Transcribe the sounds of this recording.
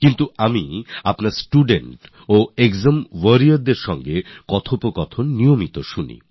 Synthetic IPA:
kint̪uamiapnaɾsʈuɖeɳʈ | oekzamwəɾiaɾd̪eɾʃɔŋɡekɔt̪ʰopokɔt̪ʰonniomit̪oʃunḭ

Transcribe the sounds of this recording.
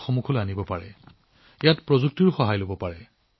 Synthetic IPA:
xɔmukʰɔloanibɔpaɹɛ | ejatpɹɔzuk̚tiɹxɔɦajlobɔpaɹɛ

